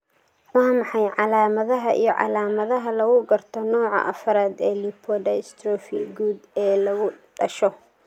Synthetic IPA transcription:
wɑːmɑħɑjʕɑlaːmɐðɐɦɐʔḭjɞʕɑ̰laːmɐðɐɦɐlɐɣʊɡɐrt̪ʰɔnɔːʕɑ̰ʔɐfɐɾaːd̪ɛːlipʰɔɖɐst̪ʰɾɔːfiɡuːd̪ɛːlɐɣʊɖɐʃɔ

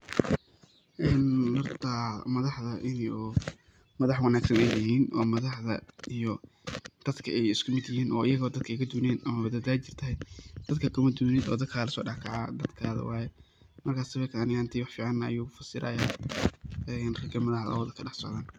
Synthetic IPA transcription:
ʔɛːnhɔrt̪ʰɐmɐðɑħðɐʔɪnː | mɐðɑħwɑnaːɡsɐnɛjjɐɦiːnʔɔːmɐðɑħðɐ̰ijɔ | d̪̥ɐd̪kʰɐɛjɪskʰʊmɪd̪jɪhiːnʔɔːʔɪjɐɣɔːd̪ɐd̪̚kʰɐkʰɐd̪uːnɛːnɐmɐβɐd̪ɐd̪aːt͡ʃɪr̥t̪ʰɐɦɛjd̪̥ɐd̪kʰɐkʰʊmɐd̪uːnɪðɔ̰ːd̪ɐd̪kʰaːlɐsɔ̰ːɖɑħkʰɑʕa̰ːd̪ɐd̪kʰaːðɐ̰wɑːjɛ | mɐrkʰaːsɐβɛːk̪ʰaːnɪɪnt̪ʰiwɑħfiːʕɑnːɐɐ̰juːfɐsɪɾʔɐ̰jaː | ɛnrɛɡɐmɐðɐɦɐ̰lɐ̰ðɐkʰɐɖɑħsɔ̰ʕðaːn

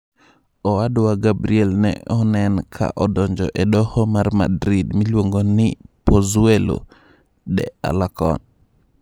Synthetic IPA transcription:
ɔwadowaɡabɾiɛlnɛ̰ɔnɛnkʰa̰ʔɔdɔɲd͡ʒɔ̰ʔɛdɔhɔmarma̰dɾidmilwoŋɡonɪpozuelo̰ | dɛ̰a̰lakɔ̰n

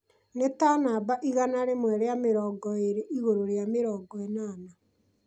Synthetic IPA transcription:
netanabaʔiɣanaɾemwɛɾeameɾɔːɡɔeɾeʔiɣoɾoɾeameɾɔːɡɔenaːna

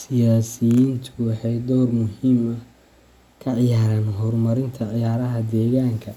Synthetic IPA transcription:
sɪjaːsɪjiːnt̪ʰʊwɑħɑjd̪ɔːrmʊhiːmɐ | kʰɐʕɪjaːɾaːnɦɔrmɐɾɪnt̪ʰɐʕɪjaːɾɐɦɐd̪ɛːɣaːŋkʰɐ

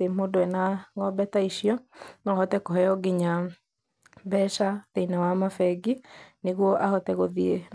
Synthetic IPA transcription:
emodoɛnaŋɔbɛtaiʃiɔnɔɔhɔtɛkɔɦɛjɔɡeɲa | bɛʃatɛinawamafɛɡineɣwɔʔahɔtɛɣoðie

